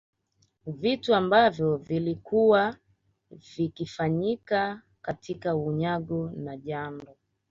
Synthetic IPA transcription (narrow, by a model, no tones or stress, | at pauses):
vituambavjɔvilikʰuwa | vikifaɲika | katʰikauɲaɡunaʄandɔ